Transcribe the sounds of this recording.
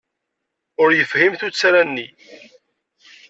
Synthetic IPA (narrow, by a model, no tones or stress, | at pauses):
ʊɾjəfhimθut͡sːaɾænːi